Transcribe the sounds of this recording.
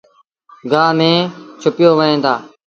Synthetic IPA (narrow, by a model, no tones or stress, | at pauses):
ɡãːmẽːt͡ʃʰʊpɪjoːʋəẽːnd̪aː